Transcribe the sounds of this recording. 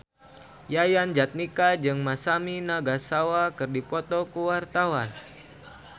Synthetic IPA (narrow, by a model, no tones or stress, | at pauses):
jajand͡ʒat̪̚nikad͡ʒɨŋmasaminaɡasawakɨrdipɔt̪ɔkəwart̪awan